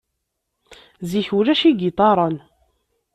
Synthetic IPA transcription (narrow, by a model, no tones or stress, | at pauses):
ziçuɾæʃiɡit̪ˤɑɾˤən